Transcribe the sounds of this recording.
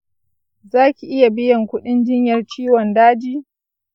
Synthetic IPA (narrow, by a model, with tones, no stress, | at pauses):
zaː˦kʲi˨ʔɪ˦ja˨bɪ˦jɐ˨ŋkʷʊ˦ɗɪ˦nd͡ʒɪ˦ɲjɐ˨rt͡ʃiː˦wɔ˨ndaː˦d͡ʒiː˦